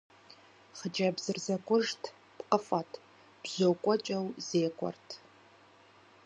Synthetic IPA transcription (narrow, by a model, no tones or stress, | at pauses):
χəd͡ʒabzɨrzakʷʰʼʊʐtʰ | pʼqʼəfʼatʰʼ | b̥zokʷʼat͡ʃʼawzeːkʷʰʼɔ̰rtʰ